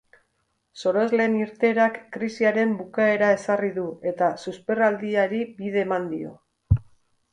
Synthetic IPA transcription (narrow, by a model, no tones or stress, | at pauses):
so̞ɾo̞ezle̞ːniɾt̪e̞ɾakːɾisiaɾe̞mbukae̞ɾae̞sariðue̞t̪asuspe̞rald̪iaɾibið̞e̞ːmand̪io̞̰